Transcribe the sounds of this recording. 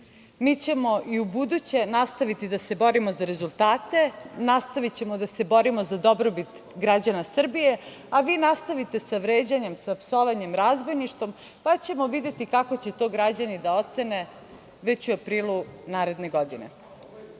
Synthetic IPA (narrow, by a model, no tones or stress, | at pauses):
miːt͡ɕe̞mo̞ʔiubud̪ut͡ɕe̞nast̪aʋit̪id̪ase̞bo̞ɾimo̞zaɾe̞zulˠt̪aːt̪e̞nast̪aʋit͡ɕe̞mod̪ase̞bo̞ɾimo̞zad̪o̞bɾobit̪ | ɡɾad͡ʑanasr̩bije̞ | aʋiːnast̪aʋit̪e̞saʋɾeːd͡ʑaɲe̞msapsoʋaɲe̞mɾazbo̞jniʃt̪ʋo̞m | pat͡ɕe̞mo̞ʋid̪je̞t̪ikako̞t͡ɕe̞t̪o̞ːɡɾad͡ʑanid̪ao̞t̪se̞ne̞ | ʋe̞t͡ɕuapɾiːlˠunaːɾe̞d̪ne̞ɡo̞d̪inḛ